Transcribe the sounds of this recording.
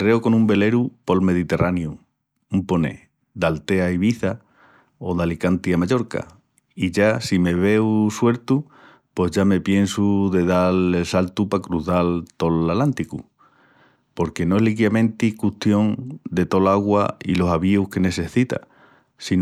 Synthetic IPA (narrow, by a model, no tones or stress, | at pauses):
re̞oko̞nũmbe̞le̞ɾupo̞lme̞ð̞it̪e̞rʔanju | umpo̞nḛ | d̪alt̪e̞aiβ̞iθa | o̞ðalikant̪iamaʎo̞ɾka̰ | iʝasime̞β̞e̞wswe̞ɾt̪u | pe̞ɦʝame̞pje̞nsuðe̞ðalelsalt̪upakɾuθalt̪o̞lalant̪ikṵ | po̞ɾke̞noelikjamẽ̞nt̪ikut̪jõ̞ŋd̪e̞t̪o̞laɣwaḭlo̞saβiuhke̞ne̞se̞θit̪a̰ | sin